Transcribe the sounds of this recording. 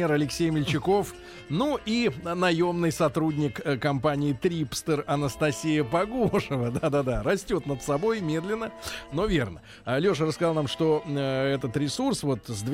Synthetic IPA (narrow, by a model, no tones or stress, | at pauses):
eɾɐlʲɪksʲejmʲɪlʲt͡ɕɪko̞f | nuinɐjo̞mnɨjsɐt̪ɾudʲnʲɪkkɐmpanʲɪɪt̪ɾʲipst̪ərɐnəst̪ɐsʲijəpɐɡoʂəvəd̪ad̪ad̪aɾɐsʲtʲo̞t̪nət̪sɐbo̞jmʲe̞d̪lʲɪnːəno̞vʲe̞rnə | lʲo̞ʂərəskɐzalˠnamʂt̪o̞ɛt̪ət̪ɾʲɪsursvo̞t̪zʲd̪vʲ